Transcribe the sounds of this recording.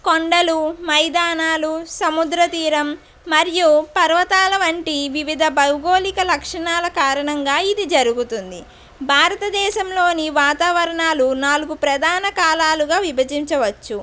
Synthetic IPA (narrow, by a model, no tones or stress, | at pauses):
koɳɖɐlumɐjd̪aːnaːlusɐmud̪ɾɐt̪iːɾɐmː | ɐɾijupɐɾʋɐt̪aːlɐʋɐɳʈiʋiʋid̪ʱɐbɐwɡo̞ːlikɐlɐkʂɐɳaːlɐkaːɾɐɳɐŋɡaːid̪id͡ʒɐɾuɡut̪und̪i | bʱaːɾɐt̪ɐd̪ɛːʃɐmlo̞ːniʋaːt̪aːʋɐɾɐɳaːlunaːluɡupɾɐd̪ʱaːnɐkaːlaːluɡaːʋibʱɐd͡ʒiɲt͡ʃɐʋɐt͡ʃːu